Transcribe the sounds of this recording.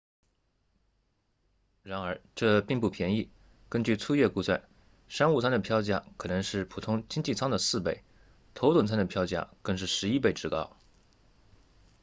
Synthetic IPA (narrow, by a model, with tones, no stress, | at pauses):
ɻa˧˥nə˞˧˥ʈ͡ʂɤ˥˧pi˥˧ŋpu˥˩pʰjɛ˧˥ni˥˩ | kə˥nt͡ɕy˥˩t͡sʰu˥˧jɥɛ˥˧ku˥˧swa̰˥˩n | ʂa˥nu˥˩t͡sʰa˥nd̪ə˨pʰjɑ˥ʊt͡ɕja̰˥˩kʰɤ˨˩nɤ˧˥ŋʂɻ̩˥˩pʰu˨˩t̪ʰʊ˥ŋt͡ɕi˥ŋt͡ɕi˥˩t͡sʰɑ˥ŋd̪ə˨sɹ̩˥˩pe˥˩ɪ | t̪ʰo˧˥ʊt̪wə˨˩nt͡sʰa˥nd̪ə˨pʰjɑ˥ʊt͡ɕja̰˥˩kɤ˥˧ŋʂɻ̩˥˩ʂɻ̩˧˥i˥p̬e˥˩ɪʈ͡ʂɻ̩˥˩kɑ̰˥ʊ